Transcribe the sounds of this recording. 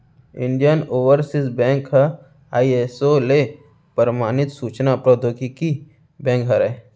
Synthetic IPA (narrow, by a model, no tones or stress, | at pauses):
ɪ̃ɳɖijənoːʋəɾsɪsbɛ̃ːŋkɦə | aːiesole | pəɾmaːnɪt̪suːt͡ʃnapɾod̪oːkiki | bɛ̃ːŋkɦɐɾɛ